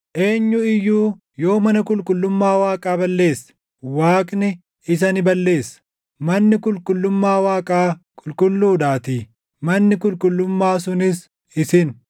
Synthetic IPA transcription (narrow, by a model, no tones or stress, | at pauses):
ʔe̞ːɲːʊɪjːuː | jo̞ːmɐnɐkʼʊlkʼʊlːʊmːaːwaːkʼaːbɐlːe̞ːsɐ̥ | waːkʼnɪ | ɪs̬ɐnɪbɐlːe̞ːsɐ̥ | mɐnːɪkʊlkʼʊlːʊmːaːwaːkʼaːkʼʊlkʼʊlːuːd̪aːt̪iː | mɐnːɪkʊlkʼʊlːʊmːaːs̬ʊnɪs | ɪsɪn